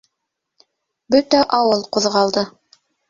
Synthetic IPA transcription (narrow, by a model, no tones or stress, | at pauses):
bɵt̪æʔɑwɤlˠqŭðʁɑlˠd̪ɤ